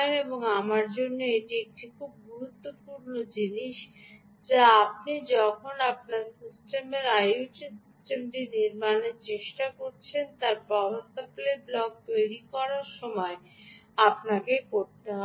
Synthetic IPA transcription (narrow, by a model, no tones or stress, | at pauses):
neboŋamaɾd͡ʑonːeeʈiek̚ʈikʰub̚ɡuɾut̪ːopuɾnod͡ʑiniʃ | d͡ʑaap̚nid͡ʑɔkʰonap̚naɾsisʈemeɾajuʈisisʈemʈiniɾmaneɾt͡ɕeʃʈakoɾt͡ɕʰent̪aɾpɔbost̪apleɾblɔɡ̚t̪ojɾikɔɾaɾʃɔmɔe | apnakekoɾt̪eɦɔ